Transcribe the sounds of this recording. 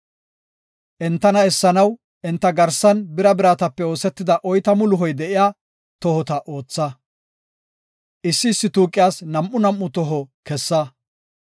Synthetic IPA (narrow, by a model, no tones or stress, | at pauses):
ʔɛnt̪ːɐnɐɛsːɐnɐw | ʔɛnt̪ːɐɡɐɾsɐnbɪɾɐbɪɾaːt̪ɐpːɛo̞ːsɛt̪ːɪd̪ɐʔɔjt̪ɐmʊlʊɦɔjd̪ɛʔɪjaː | t̪ɔhɔt̪ɐʔo̞ːt͡sːɐ | ʔɪsːɪːsːɪt̪uːkʼːɪjaːsnɐmʔʊnɐmʔʊt̪ɔɦɔkɛsːɐ